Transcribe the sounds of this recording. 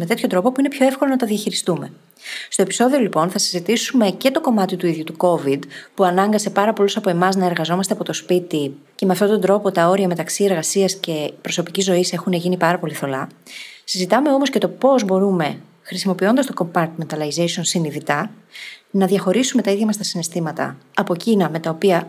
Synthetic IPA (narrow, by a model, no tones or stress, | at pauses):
me̞t̪e̞t̪ço̞t̪ɾo̞po̞puine̞pço̞e̞fko̞lonɐt̪ɐðiɐçiɾist̪ume̞ | st̪o̞episo̞ðio̞lipo̞nθɐsizit̪isume̞ce̞t̪o̞ko̞mɐt̪it̪uiðʝut̪uko̞vid̪puɐnɐŋɡɐse̞pɐɾɐpo̞lusɐpo̞e̞mɐznɐeɾɣɐzo̞mɐst̪eɐpo̞t̪o̞spit̪i | ce̞me̞ɐft̪o̞t̪o̞nd̪ɾo̞po̞t̪ɐo̞ɾiɐme̞t̪ɐksie̞ɾɣɐsiɐsce̞pɾo̞so̞picizːo̞ise̞xune̞ʝinipɐɾɐpo̞liθo̞lɐsizit̪ɐme̞o̞mo̞sce̞t̪o̞po̞zbo̞ɾume̞ | xɾisimo̞pio̞nd̪ɐst̪o̞ko̞mpɐɾt̪ment̪ɐlɐjzejsonsiniðit̪ɐ | nɐðʝɐxo̞ɾisume̞t̪ɐiðʝɐmɐst̪ɐsinest̪imɐt̪ɐ̰ɐpo̞cinɐme̞t̪ɐopiɐ